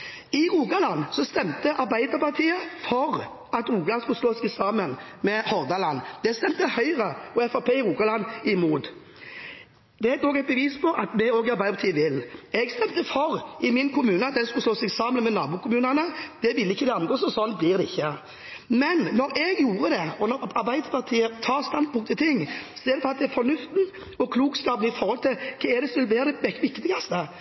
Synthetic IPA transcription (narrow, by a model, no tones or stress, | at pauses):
ɪɾuːkɑlɑnːsɔst̪ɛmt̪əʔɑɾbæɪd̪əɾpɑʁt̪ʰiːəfɔɾ | ɑt̪ɾuːɡlɑnskʉlsloːsɛɡsɑːmənmɛhɔʁd̪ɑlɑnːd̪ɛst̪ɛmt̪əhœʏʁəɔɛfɑpʰeːɪʁuːkɑlɑnɪmuːt̪ | d̪̥ɛæt̪oːɡæɪt̪̚bəʋiːspʰɔʔɑt̪mɛoːɡɪɑɾbæɪd̪əpʰɑt̪ʰiːəʋɪlɛɡst̪ɛmt̪əfɔɾʔɪmɪnkʰʊmʉːnəɑt̪̚d̪ɛnskʉlsloːsɛɡsɑmənmɛnɑ̰ːbuːkʰʊmʉːnɑnəd̪̥ɛʋɪlːəɪçːəd̪ɛɑnɡoːsɔsɔnt̪̚bliɾd̪ɛɪçːə | mɛnːɔɾɛɡjuːɾəd̪ɛɔnɔɾɑɾbæɪd̪pʰɑʁt̪ʰiːət̪ʰɑːʁst̪ɑnd̪̚pʰʊŋkt̪ʰɪlt̪ʰɪŋːsɔɛːd̪əpɔɑt̪̚d̪ɛɛfɔnʉft̪n̩ | ɔkʰluːkskɑːpn̩ɪfɔɾhɔlt̪ʰɪlkʰɑɛd̪ɛsʋɪlʋeːɾd̪ɛʋɛʋɪkt̪ɪɡɑst̪ə